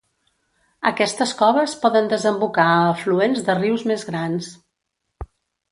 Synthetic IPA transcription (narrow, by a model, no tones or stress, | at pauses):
əkɛst̪əskɔβəspɔðənd̪əzəmbukaːfluenzðəriwzmezɣɾans